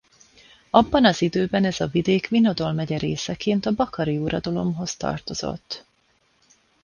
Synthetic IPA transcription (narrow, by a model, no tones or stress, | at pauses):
ɒbːɒnɒzid̪øːbɛnɛzɒvid̪eːkʋino̞d̪o̞lmɛɟɛɾeːsɛkeːnt̪ɒbɒkɒɾiuːɾɒd̪ɒlo̞mɦo̞st̪ɒ̰rt̪o̞z̥o̞̰t̪ː